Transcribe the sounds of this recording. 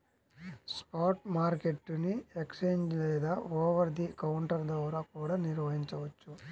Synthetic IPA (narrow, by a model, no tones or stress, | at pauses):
spaːɾʈmaːɾkeʈːuniekseːɲd͡ʒlɛːd̪aːɔːʋɐɾd̪ikɐwuɳʈɐɾd̪ɐʋɾaːkuːɽaːniɾʋɐɦiɲt͡ʃɐʋɐt͡ʃːu